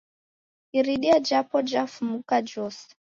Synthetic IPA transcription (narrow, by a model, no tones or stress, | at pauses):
iɾiɗiad͡ʒapɔd͡ʒafmukad͡ʒɔsɛ̥